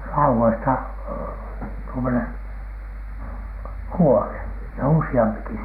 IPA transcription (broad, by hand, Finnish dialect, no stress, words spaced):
lɑuwoistɑ tuomonen̥ huone jɑ usiɑmpiki